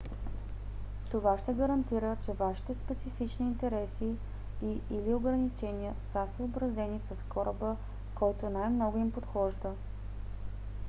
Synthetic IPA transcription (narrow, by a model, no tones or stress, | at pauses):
t̪ovaʃt̪ɛɡəɾɐnt̪iɾət͡ʃɛvaʃi̥t̪ɛspɛt̪sifit͡ʃniːnt̪ɛɾɛsi | iilioɡɾənit͡ʃɛniəsəsəobɾɐzɛnisɐskɔɾəbə | kɔjt̪onajmnɔɡʊimpot̪xɔʒd̪ə